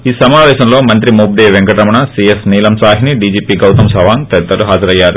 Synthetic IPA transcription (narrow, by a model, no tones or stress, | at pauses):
iːsɐmaːʋɛːɕɐmlo̞ːmɐnt̪̬ɾimuːp̚d̪eːʋeŋkɐʈɾɐmɐɳɐsiesniːlɐmsaːɦiniɖiːd͡ʒiːpiːɡɐwt̪ɐmsɐʋaːŋt̪ɛt̪ːɐluɦaːd͡ʒɐɾɐjːaːɾu